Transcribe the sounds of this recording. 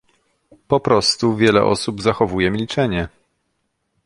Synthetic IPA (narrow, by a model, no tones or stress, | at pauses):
pɔpɾɔst̪uvʲjɛlɛ̰ʔɔ̰subzaxɔvujɛmʲilʲt͡ʂɛɲɛ